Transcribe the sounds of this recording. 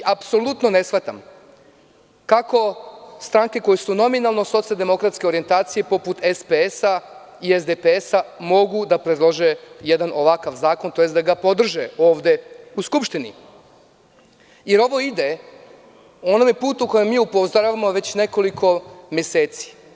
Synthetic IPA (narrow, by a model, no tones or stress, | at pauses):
ʔapso̞lut̪no̞ne̞sʋat̪am | kako̞st̪ɾaːŋke̞ko̞jesuno̞minalˠno̞so̞t̪sialˠd̪e̞mo̞kɾat̪ske̞o̞ɾient̪aːt̪sije̞po̞put̪espeesa | iezd̪epeesamo̞ɡud̪apɾed̪lˠoʒejed̪anʔo̞ʋakaʋzaːko̞nt̪o̞jesd̪aɡapo̞d̪r̩ʒeo̞ːʋd̪e̞uskupʃt̪inḭ | je̞ɾo̞ʋo̞id̪e | o̞nomje̞puːt̪uko̞jemːiːupozd̪oɾaʋamo̞ʋe̞t͡ɕne̞ko̞likʰo̞mje̞se̞ːt̪si̥